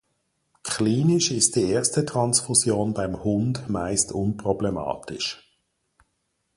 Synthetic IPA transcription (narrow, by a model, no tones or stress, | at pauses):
kχliːnɪʃɪstd̥ieːstətʁ̥ɑnsfusjoːnbaɪmhʊndmaɪstʰʊnpʁɔblɛmɑ̰ːtɪʃ